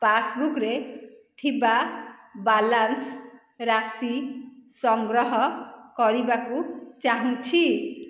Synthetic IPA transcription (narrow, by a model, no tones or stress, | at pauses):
pasbukɾet̪ʰibabalans | ɾasisʌŋɡɾʌɦʌkʌɾibakut͡saɦũt͡ʃʰi